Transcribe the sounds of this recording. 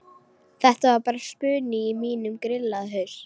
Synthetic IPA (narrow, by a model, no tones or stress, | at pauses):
θɛht̪avaɾpaːɾaspʏːnɪːmiːnʏmkɾɪlːaðɦœɥɾ̥